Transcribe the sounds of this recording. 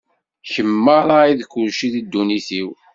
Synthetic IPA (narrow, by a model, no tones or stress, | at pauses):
çəmːəɾaiðkːʊlʃiðid̪ːuniθiw